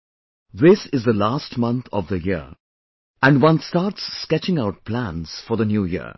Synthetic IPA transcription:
ðɪsɪzðəlaːsʈmʌ̃nt̪ʰɔ̰vðəji | æ̃nɖwʌ̃nstɑːɾʈsːkɛt͡ʃɪ̃ŋaʊʈ̚pʰlæ̃nz̥fɔðənjuːjḭə̰

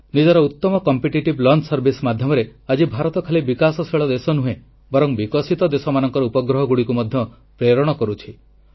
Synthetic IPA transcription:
nid͡ʒɔɾɔut̪ːɔmɔkɔmpiʈiʈiblɔnsɔɾbʱismad̪ʱjɔmɔɾead͡ʒibʱaɾɔt̪ɔkʰalibikasɔsʰeɭɔd̪esɔnuɦe | bɔɾɔŋbikɔsit̪ɔd̪esɔmanɔŋkɔɾɔupɔɡɾɔɦɔɡuɽikumɔd̪ʱjɔ | pɾeɾɔɽ̃ɔkɔɾut͡ʃʰi

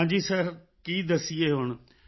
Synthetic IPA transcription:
ɲd͡ʑiːsəɾ | kiːd̪ɐsieɦʊɽ̃

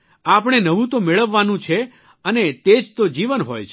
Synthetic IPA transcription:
apɳ̃enəʋũt̪omeɭəʋːanũt͡ʃʰe | ənet̪ed͡ʒt̪od͡ʒiʋənɦojt͡ʃʰ

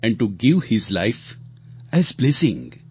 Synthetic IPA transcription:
ɛ̃ɳɖ̚ʈuɡɪʋhɪzlaɪf | ɛzblɛsɪ̃ŋ

